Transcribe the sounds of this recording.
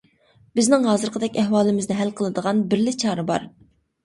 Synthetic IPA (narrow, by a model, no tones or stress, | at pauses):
bɪznɪŋɦɑːzɨɾqʰəd̪ɛkʲɛhwɑːlˠɨmɪznɪɦælqʰəlˠɨd̪əʁɑnbɪɾlɪt͡ʃʰɑːɾɨbɑ̰ɾ